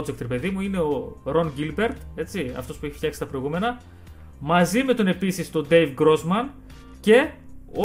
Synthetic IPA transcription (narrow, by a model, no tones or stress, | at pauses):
d͡zekt̪ɾepe̞ðimuine̞o̞ɾo̞nɟilbe̞ɾt̪e̞t͡siɐ̰ft̪o̞spueçift̪çɐksi̥t̪ɐpɾo̞jɣume̞nɐ | mɐzime̞t̪o̞ne̞pisist̪o̞d̪e̞jvɡɾo̞zmɐn | ce̞o